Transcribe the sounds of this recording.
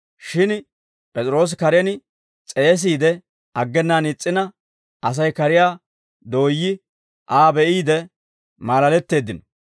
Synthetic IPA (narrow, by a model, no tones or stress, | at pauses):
ʃɪn | pʼɛt͡sʼɾo̞ːs̬kɐɾɛnɪ | t͡sʼe̞ːs̬iːd̪ɛ | ɐɡːɛnːaːnɪt͡sʼːɪnɐ | ʔɐs̬ɐjkɐɾɪjaː | d̪o̞ːjːɪ | ʔaːbɛʔiːd̪ɛ | maːlɐlɛt̪ːe̞ːd̪ːɪnɔ